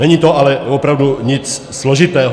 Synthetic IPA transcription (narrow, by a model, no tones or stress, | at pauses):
ɛɲiːt̪ɔalɛɔpɾaʊd̪uɲit͡s | z̥lɔʒit̪ɛːɦ